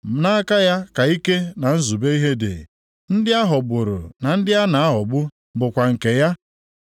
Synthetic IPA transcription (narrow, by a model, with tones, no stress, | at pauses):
m̩˨na˦ka˦ja˦ka˨i˦ke˦na˨n̩˦zu˨be˦i˦ɦe˦dɪ̰˨ | n̩˦dɪ˦a˦ɦʊ˨bʊ˨ɾʊ̰˨na˨n̩˦dɪ˦ja˦na˨a˦ɦʊ˨bʊ˦ | bʊ˨kʷa˨ŋ̩˨ke˨ja˦